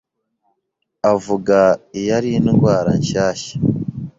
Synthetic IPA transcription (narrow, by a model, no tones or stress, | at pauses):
avuɡaijaɾinɡwaːɾaɲʃaːʃḁ